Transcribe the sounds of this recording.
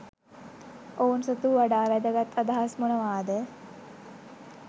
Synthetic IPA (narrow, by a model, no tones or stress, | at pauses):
ounsət̪uʋaɖaːʋæd̪əɡat̪ʰːad̪aɦasmunəʋaːd̪ə